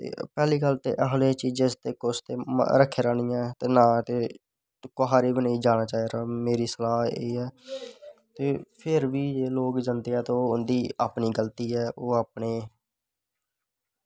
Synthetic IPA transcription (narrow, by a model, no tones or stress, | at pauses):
t̪ḛːpɛːliːkəlt̪ḛːʔəɦleːt͡ʃiːd͡ʒẽst̪eːkʊst̪eːm̰ɾəkʰːeːɾaːnijãt̪eːnãːt̪eː | kʊɦaːɾiːbənaːiːd͡ʒaːɽ̃aːt͡ʃaːiːɾaːmeːɾiːsəlaːɦeːɛː | t̪eːpʰɪɾʋiːd͡ʒeːloːkd͡ʒãːnd̪eːɦɛːt̪ooːʊnd̪iːaːpniːɡəlt̪iːɛːʔoːaːpneː